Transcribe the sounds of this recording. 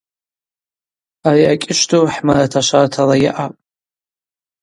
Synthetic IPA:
ariakʲʼɪʃtʰoħmaɾatʰaʃartʰalajɪ̰ʔapʼ

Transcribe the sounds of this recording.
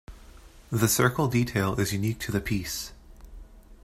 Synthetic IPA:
ðɨsɜ˞kl̩ˠditʰeɪlˠɪzjʉnik̚tʰɨðɨpʰis

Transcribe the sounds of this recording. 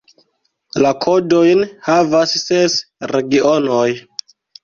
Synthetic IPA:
lakʰo̞do̞jnhavasːesɾeɡionoj

